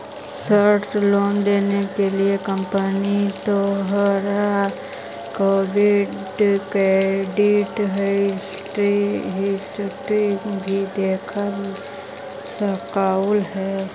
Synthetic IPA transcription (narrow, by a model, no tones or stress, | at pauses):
səɾtloːnd̪eːnekeliekə̃mpənit̪oɦəɾa | koːʋɪɖ | kɾeːɖɪʈɦɛɪs | ʈɾiɦɪsʈɾibʱid̪eːkʰəl | səkaʊlɦɛː